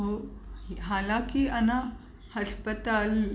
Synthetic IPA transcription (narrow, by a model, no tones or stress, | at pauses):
ɦo | ɦalakiana | həspət̪al